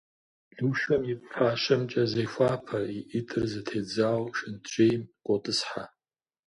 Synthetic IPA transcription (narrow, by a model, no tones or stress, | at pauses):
ɮuʃɐmjɪp̚ʼħʰaːʃʷɨmt͡ʃʼazejxʷaːpʰaiʔitʼɨrzɨtʰeːd͡zawʃɪnt͡ʃʷʰʼejmkʷʼotʼɨsħa